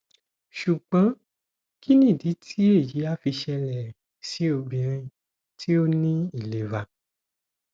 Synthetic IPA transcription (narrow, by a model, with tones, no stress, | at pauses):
ʃu˨k͡pã˨˦ | ki˦nĩ˦˨di˨˦tʰi˦e˦˨ji˨˦a˦fi˧ʃɛ˧lɛ˨ | si˨˦o˧bĩ˨ɾ̃ĩ˧ | tʰi˦o˦nĩ˦i˦˨le˨va˨